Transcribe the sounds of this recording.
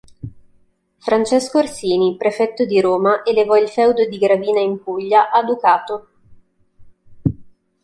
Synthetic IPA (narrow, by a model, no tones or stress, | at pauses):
fɾant͡ʃɛskorsiːnipɾefɛt̪ːod̪iɾoːmaʔelevɔilfɛwd̪od̪iɡɾaviːnaimpuʎːaʔad̪ukaːt̪o